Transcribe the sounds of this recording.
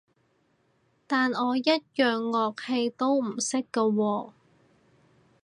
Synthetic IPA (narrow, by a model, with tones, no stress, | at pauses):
t̪aː˨nɔː˨˧jɐ˥t̚jœː˨ŋːɔː˧k̚he˧jt̪o˥wm̩˨˩sɪ˥kːɐ˧wɔː˧